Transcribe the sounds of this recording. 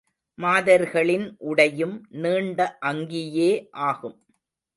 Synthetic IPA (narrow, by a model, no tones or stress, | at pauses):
maːðɐɾɣɐɭɪnʔʊɽɐjɯmniːɳɖɐʔɐŋɡɪjeːʔaːɣɯm